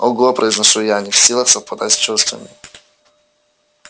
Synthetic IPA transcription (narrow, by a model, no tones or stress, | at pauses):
oɡuɐpɾʔəɪznɐʂujanʲɪfsʲilˠəxsəfpɐd̪asʲt͡ɕust̪vɐ̰mʲɪ